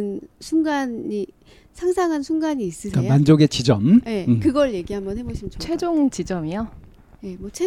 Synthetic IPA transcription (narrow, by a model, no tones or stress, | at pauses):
nsʰunɡani | sʰaŋsʰaŋɦansʰunɡaɲiːs͈ɯsʰkamand͡ʑoɡet͡ɕid͡ʑʌmje̞kɯɡʌɭje̞ɡiɦambʌnɦe̞boɕʰimnt͡ɕoe̞d͡ʑoŋt͡ɕid͡ʑʌmijo | je̞mwʌt͡ɕʰe